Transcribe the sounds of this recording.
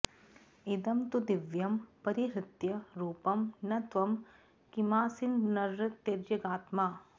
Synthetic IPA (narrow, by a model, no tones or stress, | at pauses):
ed̪ɐmt̪ud̪ɪʋjɐmpɐɾiɦɾɪt̪jɐɾuːpɐmnɐt̪ʋɐm | kimaːsinnɐɾːt̪eɾd͡ʒɐɡaːt̪maː